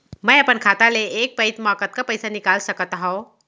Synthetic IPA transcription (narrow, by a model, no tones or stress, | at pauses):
mɛ̃ːɐpənkʰaːt̪aleeːk̚pɐɪt̪maːkət̪̚kapɐɪsanɪkaːlsɐkt̪aɦõ